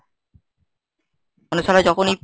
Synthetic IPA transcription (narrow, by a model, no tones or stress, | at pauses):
onusalajd͡ʑɔkʰonej